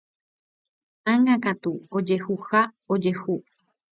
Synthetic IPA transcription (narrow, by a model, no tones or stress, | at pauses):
ãŋɡakat̪uod͡ʒe̞huha | od͡ʒe̞hu